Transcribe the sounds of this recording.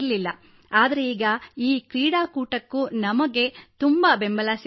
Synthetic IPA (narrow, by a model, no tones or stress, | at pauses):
ɐlilːɐ | aːd̪ɐɾe̞iːɡɐiːkɾiːɽaːkuːʈɐkːunɐmɐɡe̞t̪umbɐbe̞mbɐlaːs